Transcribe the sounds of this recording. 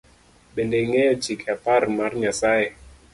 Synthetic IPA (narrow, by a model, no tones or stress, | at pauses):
ɓɛndɛŋɛjɔt͡ʃikʰaparmarɲasaɛ